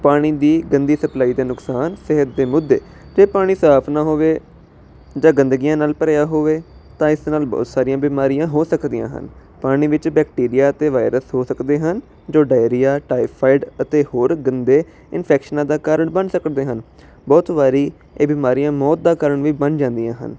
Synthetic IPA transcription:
paːɽ̃iːd̪iːɡənd̪iːsəplaːiːd̪eːnʊksaːnsɪɦət̪̚d̪eːmʊd̪ːḛː | d͡ʒeːpaːɽ̃iːsəɦaːpʰnaːɦoːʋeː | d͡ʒãːɡə̃nd̪əɡijãːnaːlpəɾeːjaːɦoːʋeːt̪ãːɪsnaːlbɔ̰ːt̪saːɾijãːbiːmaːɾijãːɦoːsəkd̪ijã̰ːɦə̰npaːɽ̃iːʋɪt͡ʃbɛːkʈiːɾijaːət̪eːʋaːɪɾəsɦoːsəkd̪eːɦən | d͡ʒoːɖaːjɾijaːʈaːipʰaːɪɖət̪eːhoːɾɡənd̪eː | ɪnpʰɛːkʃənãːd̪aːkəːɾəɳbənsəkd̪eːɦən | bɔːt̪ʋaːɾiː | eːbiːmaːɾijãːmɔːt̪̚d̪aːkəɾəɳʋiːbənd͡ʒãːnd̪ijãːɦə̰n

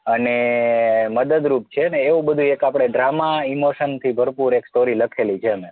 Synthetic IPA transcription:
əne | məd̪əd̪ɾup̚t͡ʃʰeəneːʋũbəd̪ʱũekapɽ̃eɖɾamaimoʃənt̪ʰibʱəɾpuɾeksʈoɾiləkʰelit͡ʃʰeəne

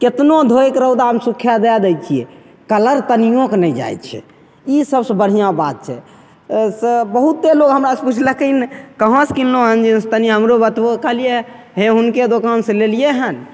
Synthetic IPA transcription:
ket̪nod̪ʱoekɾəwd̪aəmsukʰjad̪ɛad̪ɛjt͡ʃʰiɛ | kələɾt̪ənijõknəd͡ʒa̰jt̪t͡ʃʰɛ̰ | isəbsəbəɽ̤ijãbat̪̚t͡ʃʰɛ̰ | sbəɦut̪ːeloɡɦəmɾaseput͡ʃʰləkənkəɦə̃skilloɦənd͡ʒist̪əniɦəmɾobət̪okəɦlie | ɦẽɦunked̪okansẽlelijeɦən

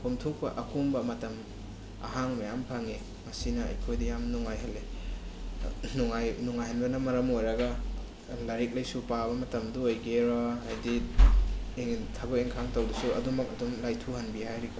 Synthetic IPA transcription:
kʰumtʰuk̚pɐʔɐkʰumbɐmɐtɐm | ɐ̰ɦaŋmɐjampʰaŋe | mɐsinɐɐ̰jkʰojdijamnuŋajɦɐlːe | nuŋajnuŋajɦanbɐnɐmɐɾɐmojɾɐɡɐ | laɾik̚lɐjsupabɐmɐtɐmduojɡeɾɔajdi | eŋtʰaboeŋkʰaŋtɐwdusuɐ̰dumɐk̚ɐdumlajtʰuhɐnbihajɾikʰa

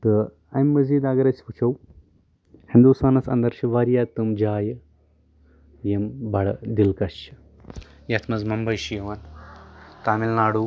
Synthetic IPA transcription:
t̪ɨ | ɐmːɐziːd̪aːɡɐɾɐsput͡ʃʰɐw | hind̪usaːnɐt͡sɐ̰nd̪ɐɾʃɐʋaːɾjaːt̪ɨmd͡ʒaːj | jɐmbɐɽd̪ilkɐʃɐ̥ | jɐt̪ʰmɐzmɐmbɐjʃijɐʋɐn | t̪aːmilnaːɽu

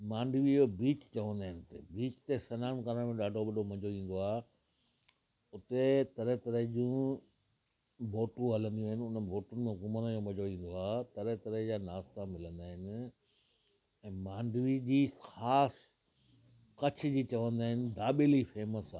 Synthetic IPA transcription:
mãːɳɖʋid͡ʑobiːt͡ɕt͡ɕɐʋə̃nd̪aːɦɪ̃nɪt̪ʰḛbiːt͡ɕt̪esɐnaːnkaːɾəɽ̃mẽɗaːɖʱoɓɐɗʱomɐ̃d͡ʑʱoĩːn̆d̪oaːɦ | ʊt̪et̪ɐɾəɦt̪ɐɾəɦd͡ʑũː | bʱoːʈũɦɐlə̃nd̪ijũːɦɪnɪ̆ʊnəbʱoːʈʊnɪ̆mẽɦkʊmənəd͡ʑoːmɐ̃d͡ʑʱoĩːn̆d̪oaːt̪ɐɾət̪ɐɾəɦd͡ʑaːnaːst̪amɪlə̃nd̪aːɦɪnɪ̆ | ɛ̃ːmãːɳɖʋid͡ʑiːxaːs | kɐt͡ɕʰɪd͡ʑiːt͡ɕɐʋə̃nd̪aːɦɪnɪ̆d̪aːɓelifeːməsaː

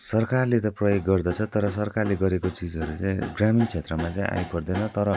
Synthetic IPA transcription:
sʌrkarlet̪ʌprʌjoɡːʌrd̪ʌt͡sʰʌt̪ʌɾʌsʌrkarleɡʌɾekot͡sid͡zʌɾut͡sãĩɡramint͡sʰet̪rʌmat͡saĩʔa̰jpʌrd̪enʌt̪ʌɾʌ

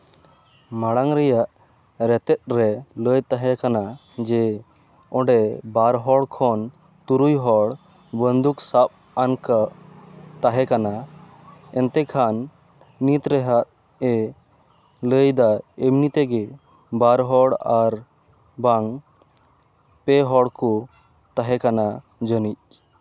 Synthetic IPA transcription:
maɽaŋɾɛjaʔ | ɾɛt̪ɛt̪̚ˀɾɛləjt̪aɦɛkana | d͡ʒɛ | ɔ̃ɖɛbaɾɦɔɽkʰɔn | t̪uɾujɦɔɽ | bənd̪uksap̚ | ankaʔt̪aɦɛkana | ɛnt̪ɛkʰanː | it̪ɾɛɦat̪̚ | ɛ | ləjd̪aemnit̪ɛɡɛ | baɾɦɔɽaɾ | baŋ | pɛɦɔɽkɔ | t̪aɦɛkana | d͡ʒənic̚

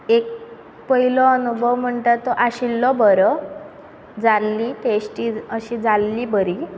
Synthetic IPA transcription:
ek̚ | pəɦilɔənubʱəʋm̤əɳʈ̪at̪ːɔʔaɕilːɔbəɾɔ | d͡zalːiʈesʈiəɕid͡zalːiːbəɾi

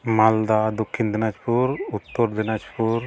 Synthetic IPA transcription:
mald̪ad̪ɔkʰːind̪ɛnad͡ʒpuɾut̪ːɔɾd̪ɛnad͡ʒpʰuɾ

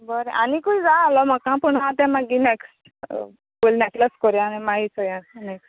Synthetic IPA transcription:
bɔɾɛ̃ʔanikuid͡zalɔmakãpuɳat̪ɛ̃mãɡinɛks | bolnɛʈləskɔɾjãnimait͡sʰɔjãnɛk

